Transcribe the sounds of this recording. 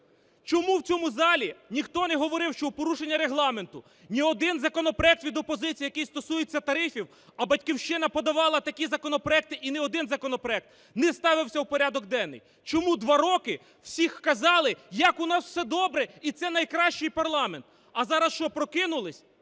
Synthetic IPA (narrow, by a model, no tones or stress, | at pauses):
t͡ʃɔmuwt͡sʲɔmʊzɑlʲinʲixt̪ɔnɛɦɔʋɔɾɪwʃt͡ʃɔupɔɾuʃenʲːɐɾeɦlˠɑme̞nt̪ʊ | nʲiɔd̪ɪnzɐkɔnɔpɾɔɛk̚t̪ʋʲid̪ɔpɔzɪt͡sʲijɐkɪjst̪ɔsujet͡sʲːɐt̪ɐɾɪfʲiw | ɐbɐt̚ʲkʲiwʃt͡ʃɪnɐpɔd̪ɐʋɑlˠɐt̪ɐkʲizɐkɔnɔpɾɔɛk̚t̪ɪʔinɛɔd̪ɪnzɐkɔnɔpɾɔɛk̚t̪ | nɛst̪ɑʋɪwsʲɐwpɔɾʲad̪ɔɡd̪ɛnːɪ̰j | t͡ʃɔmud̪ʋɑɾɔkɪ | w̥sʲixkɐzɑlˠɪjɐkʊnɑsw̥sɛd̪ɔbɾɛit̪sɛnɐjkɾɑʃt͡ʃɪjpɐrlˠɑment̪ | ɐzɑɾɐsʃt͡ʃɔpɾɔkɪnʊlˠɪsʲ